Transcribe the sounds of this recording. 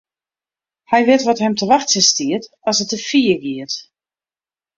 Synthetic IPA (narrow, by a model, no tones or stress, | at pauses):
hɛjʋɪtʋɔthɛmtʰəʋaxtsəstiət | ɔsətəfiəɡiət